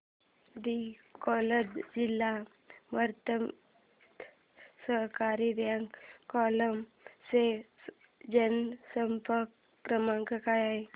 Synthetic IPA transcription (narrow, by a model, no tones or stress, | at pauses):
d̪ikɔlədd͡ʒilːa | ʋəɾt̪əm | səɦkaːɾiɾjaŋkɔːləm | se | d͡ʒənsəmpəɾkː | ɾəmãŋkəkajaj